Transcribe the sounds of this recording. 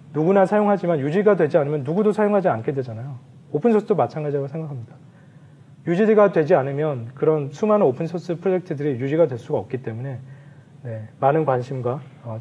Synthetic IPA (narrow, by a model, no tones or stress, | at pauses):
nuɡunasʰajoŋɦad͡ʑimanjud͡ʑiɡadwe̞d͡ʑianɯmjʌnːuɡudosʰajoŋɦad͡ʑiankʰedwe̞d͡ʑanajo | opʰɯnsʰʌs͈ɯdomat͡ɕʰanɡad͡ʑiɦaɡosʰe̞ŋɡakʰamɲida | jud͡ʑidiɡadwe̞d͡ʑianɯmjʌnkɯɾʌnsʰumanɯopʰɯnsʰʌs͈ɯpʰɾod͡ʑe̞k̚tʰɯdɯɾijud͡ʑiɡadwe̞ɭs͈uɡaʌk̚k͈it͈e̞mune̞ | ne̞manɯnkwanɕʰimɡwaʌ